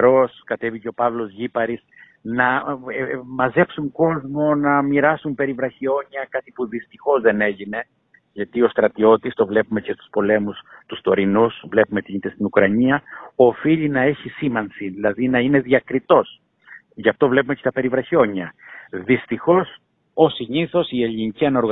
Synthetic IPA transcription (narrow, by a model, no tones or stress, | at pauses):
ɾo̞skɐt̪e̞viceo̞pɐvlo̞zʝipɐɾis | nɐ | mɐze̞psuŋko̞zmo̞nɐmiɾɐsumpe̞ɾivɾɐçio̞ɲɐkɐt̪ipuðist̪ixo̞zðe̞ne̞ʝine̞ | ʝɐt̪io̞st̪ɾɐt̪io̞t̪ist̪o̞vle̞pume̞cest̪u̥spo̞le̞must̪ust̪o̞ɾinusvle̞pumet̪iit̪est̪inukɾɐɲiɐo̞fiʎinɐe̞çisimɐnsiðilɐðinɐine̞ðiɐkɾit̪o̞s | ʝɐft̪o̞vle̞pumecet̪ɐpe̞ɾivɾɐçio̞ɲɐðist̪ixo̞s | o̞siɲiθo̞sie̞ʎiniciɐno̞ɾɣ